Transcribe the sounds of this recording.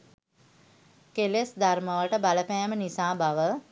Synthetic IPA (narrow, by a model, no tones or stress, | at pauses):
kelesd̪arməʋəʈəbaləpæːmənisaːbaʋə